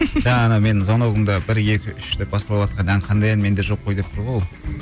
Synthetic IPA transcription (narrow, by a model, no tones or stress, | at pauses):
ʒænɑme̞nzɑnoʁəmd̪ɑbɪɾje̞kʲɪʔʏʃd̪ep̚bɑsɑlˠɑwɑt̪̚qʰɑnæɴqʰɑnd̪ɑjɑnme̞nd̪e̞ʒo̞pʰːojd̪e̞p̚t̪ʰʊɾʁo